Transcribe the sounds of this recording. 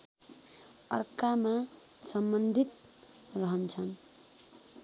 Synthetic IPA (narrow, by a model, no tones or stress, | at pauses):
ʌrkama | sʌmbʌnd̪ʱit̪̚ | rʌɦʌnt͡sʰʌn